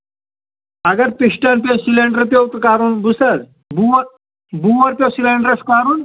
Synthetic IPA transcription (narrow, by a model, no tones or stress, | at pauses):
ɐɡɐɾpiʂʈɐnposilẽɳɖəɾpjowt̪kaːɾuːnbusəd | bu | buʋɐɾpʲjosilẽɳɖəɾəskmaɾuːn